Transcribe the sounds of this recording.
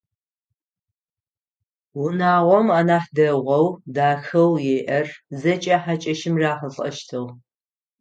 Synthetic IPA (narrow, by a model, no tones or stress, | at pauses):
wʊnaːʁʷɔmaːnaːħdɐʁʷɔwdaːxɐwjeːʔɐrzɐt͡ʃʼɐħat͡ʃʼɐʃɪmraːħəɬʼɐ̰ʃtʰɨw